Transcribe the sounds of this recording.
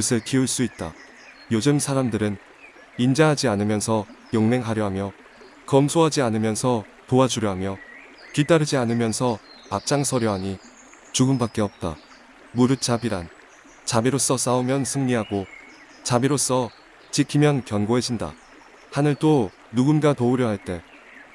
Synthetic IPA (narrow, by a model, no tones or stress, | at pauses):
kusʰɯɭkiuɭs͈uit̚t͈a̰ | jod͡ʑɯmsʰaɾamdɯɾɯn | ind͡ʑʌɦad͡ʑianɯmjʌnsʰʌjoŋme̞ŋɦaɾjʌɦamjʌ | kʌmsʰoɦad͡ʑianɯmjʌnsʰʌ | toad͡ʑuɾjʌɦamjʌ | kidaɾɯd͡ʑianɯmjʌnsʰʌap̚t͡ɕ͈aŋsʰʌɾjʌɦaɲi | t͡ɕuɡumbak͈e̞ʌp̚t͈a̰ | muɾɯt͡ɕ͈ʰabiɾan | t͡ɕamiɾos͈ʌs͈aumjʌnsʰɯŋɲiɦaɡo | t͡ɕamiɾos͈ʌ | t͡ɕikʰimjʌnkjʌnɡoɦe̞d͡ʑinda̰ | hanɯɭt͈o | nuɡunɡatouɾjʌɦaɭt͈e̞